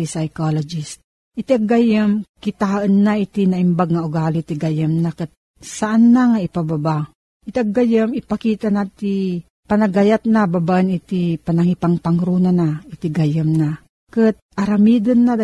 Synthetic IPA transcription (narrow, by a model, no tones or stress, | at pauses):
isajkolod͡ʒis | ʔit̪iʔaɡajəmkɪt̪aːʔənːait̪inaʔɪmbaɡ̚ŋaʔʊɡaːlit̪iɡajəmnakɨt̪̚ | saʔanːaŋaɪpababa | ʔit̪iʔaɡajəmɪpakiːt̪anat̪i | pɐnɐɡajat̪̚nababaʔənit̪ipanaŋipaŋpaŋɾunanaɪt̪iɡajəmna | kɨt̪̚ʔɐɾamiːd̪ənːa